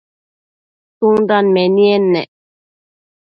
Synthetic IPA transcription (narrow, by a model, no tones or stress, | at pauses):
tuŋdanmɛniɛnːɛ